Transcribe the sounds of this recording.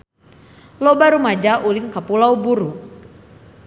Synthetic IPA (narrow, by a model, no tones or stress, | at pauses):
lɔbaɾumad͡ʒaʔulinkapulaubuɾu